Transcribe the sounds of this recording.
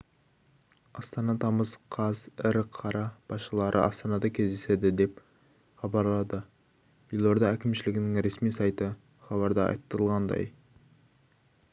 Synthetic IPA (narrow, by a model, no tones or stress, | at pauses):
ɑst̪ɑnɑt̪ʰɑməzqʰɑzɪɾqʰɑɾɑb̥ɑsʃəlˠɑɾʔə̰ʔɑst̪ɑnɑd̪ɑkʲʰezd̪esed̪ɪd̪e̞p | χɑbɑɾlˠɑd̪ə | jɪlˠoɾd̪ɑækʲʰɪmʃɪlɪɡʲɪnɪŋɾesmijsɑjt̪ə | χɑβɑɾd̪ɑɑ̰jt̪ːəɾəlˠʁɑnd̪ɑ̰j